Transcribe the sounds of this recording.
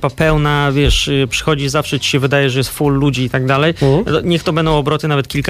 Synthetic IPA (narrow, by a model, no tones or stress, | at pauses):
papɛwnavʲjɛʂpʂɘ̥xɔd͡ʑizafʂɛt͡ɕi̥ɕɛvɘd̪ajɛʐɛjɛst̪fulːud͡ʑiːt̪aɡd̪alɛjɲɛxt̪ɔbɛnd̪ɔ̃w̃ɔbɾɔt̪ɘnavɛt̪̚kʲilk